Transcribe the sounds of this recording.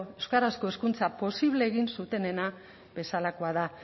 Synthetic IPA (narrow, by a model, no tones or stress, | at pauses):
ewskaɾasko̞e̞skunt͡sapo̞siβle̞ːɣ̞insut̪e̞ne̞na | be̞salakoaða